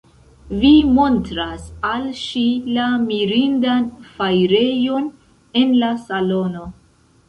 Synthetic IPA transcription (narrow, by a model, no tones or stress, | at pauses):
vimo̞ntɾasalʃilamiɾindanfajɾe̞jo̞n | e̞nlasalo̞no̞